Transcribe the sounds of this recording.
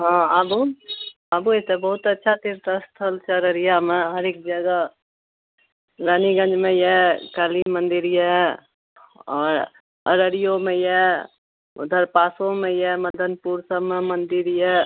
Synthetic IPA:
ɦãːabu | abuet̪ebɐɦʊt̪ətːʃʰat̪ɪɾt̪ast̪ʰəlt͡ʃəɾəɾɪjamẽɦəɾeːk̚d͡ʒəɡa | ɾaːniɡə̃nd͡ʒmẽjɛkaːliːə̃nd̪ɪɾjɛ | ɔːɾ | ə̰ɾəɾɪjõmẽjɛ | d̪ʱəɾpaːsõmẽjɛməd̪ʱənpuːɾsəmemə̃nd̪ɪɾjɛ

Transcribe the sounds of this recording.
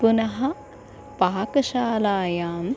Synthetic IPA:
punɐɦɐ | paːkɐʃaːlaːjaːm

